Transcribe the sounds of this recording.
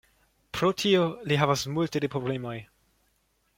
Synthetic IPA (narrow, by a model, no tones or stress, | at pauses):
pɾotʰioliɦavasmultedepɾoble̞moj